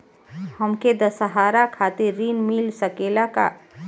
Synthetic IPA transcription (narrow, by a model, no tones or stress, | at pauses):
həmked̪əsəɦaːɾakʰaːt̪ɪɾːinmilsəkelaka̰